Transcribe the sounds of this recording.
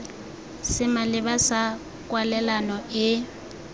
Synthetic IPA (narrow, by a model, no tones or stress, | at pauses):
sɪmalɪbasa | kʼwalɛlanɔɪ